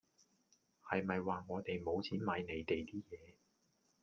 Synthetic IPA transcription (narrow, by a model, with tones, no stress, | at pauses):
hɐ˨jmɐ˨jwaː˨ŋɔː˨˧t̪e˨jmo˨˧wt͡sʰiː˨˥nmaː˨˧˥jne˨˧jt̪e˨jt̪iː˥jɛː˨˧